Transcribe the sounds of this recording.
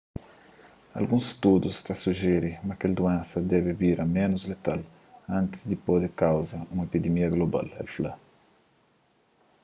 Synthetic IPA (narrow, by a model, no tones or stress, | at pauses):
a̰lɡũsst̪ud̪ust̪asuʒeɾɪmɐkeld̪uẽnsɐd̪ɛbɪbiɾɐmẽnʊzlet̪al | ãnt̪ɪ̥zd̪ɪpod̪ekawzɐũmɐepid̪emiɐɡloba̰lɛ̰lfla̰